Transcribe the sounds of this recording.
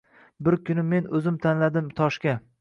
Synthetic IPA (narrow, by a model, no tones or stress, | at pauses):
bɪɾkʰʲʊnɪme̞nɵzɪmt̪ʰanlad̪ɪmt̪ʰɒʃkʲa